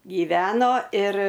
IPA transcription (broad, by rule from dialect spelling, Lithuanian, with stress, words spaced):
ɡʲiːˈʋʲæːnoː ɪr